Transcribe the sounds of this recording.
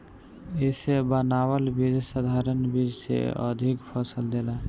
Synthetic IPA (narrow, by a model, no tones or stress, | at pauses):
ɪsebənawəlbid͡ʒsəd̪ʱaɾənbid͡ʒsḛə̰d̪ʱikpʰəsəld̪ela